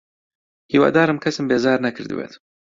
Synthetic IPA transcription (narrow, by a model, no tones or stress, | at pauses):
hiːwa̰ːd̪aːɾɨmkʰɐsɨmbeːzɑːɾnɐkʰɨɾd̪ɨ̰wḛt̪